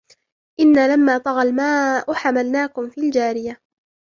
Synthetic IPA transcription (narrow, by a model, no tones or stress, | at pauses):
ʔɪnːaːlamːaːt̪ˤɑɣɑlmaːʔʊħamalnaːkʊmfiːld͡ʒaːɾɪja